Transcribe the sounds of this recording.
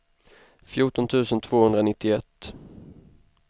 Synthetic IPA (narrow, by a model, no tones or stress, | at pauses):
fjuːʈɔnt̪ʰʉ̟ːsənt̪ʰv̥oːhɵnd̪ɾanɪt̪ːɪɛt̪ː